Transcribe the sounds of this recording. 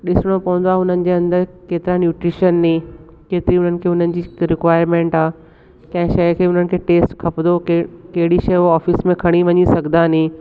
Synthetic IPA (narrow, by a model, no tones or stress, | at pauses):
ɗɪsɪɽ̃opɐʋə̃nd̪aːʊn̤ənɪ̆d͡ʑeɐ̃nd̪əɾkeːt̪ɪɾanjuːʈɾɪʃənːĩː | keːt̪ɪɾiʊn̤ənɪ̆kʰeːʊn̤ənɪ̆d͡ʑiːɾɪkʋaːɪɾmẽːɳʈaː | kɐ̃ɦɪ̃ʃɐkʰeːʊn̤ənɪ̆kʰeːʈeːsʈkʰɐpnd̪okɐɦɪɽiʃɐjaːfɪsmẽkʰɐɽ̃iʋɐɲisɐɡʱd̪anĩː